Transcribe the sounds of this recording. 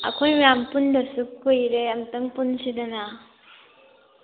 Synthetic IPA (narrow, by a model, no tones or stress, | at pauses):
ɐ̰kʰojmjampundɐsukʰːujɾeɐmtɐŋpunsidɐna